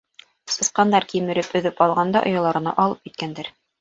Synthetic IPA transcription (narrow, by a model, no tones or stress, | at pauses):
sɤ̆sqɑnd̪ɑɾkimɘ̆ɾɘpɵ̆ðɘpɑlˠʁɑnd̪ɑʔŏ̰jɑ̆lˠɑɾɤ̆nɑ̰ʔɑlˠɤp̚kit̪̚kænd̪æɾ